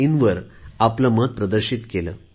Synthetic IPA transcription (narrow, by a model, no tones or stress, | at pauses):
inʋɐɾɐplɐməd̪̚pɾɐd̪ɐɾɕit̪kelɐ̰